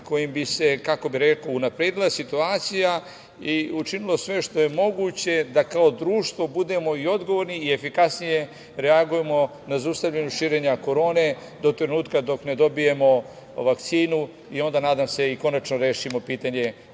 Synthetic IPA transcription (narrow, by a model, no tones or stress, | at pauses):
ko̞jimbise̞kako̞biɾe̞kounapɾed̪ilˠasit̪uaːt̪sija | iut͡ʃinilˠo̞sʋe̞ʃt̪o̞je̞mo̞ɡut͡ɕe̞d̪akao̞d̪ɾuːʃt̪ʋo̞bud̪e̞mo̞io̞d̪ɡo̞ʋo̞ɾniːe̞fikasnije̞ | ɾe̞aɡujemo̞ | nazaust̪avʎaɲuʃiːɾe̞ɲako̞ɾo̞ːne̞ | d̪o̞t̪ɾe̞nuːt̪kad̪o̞kne̞d̪o̞bije̞mo̞ | ʋakt̪siːnu | io̞nd̪anaːd̪amse̞iko̞nat͡ʃno̞ɾe̞ːʃimo̞piːt̪aɲe̞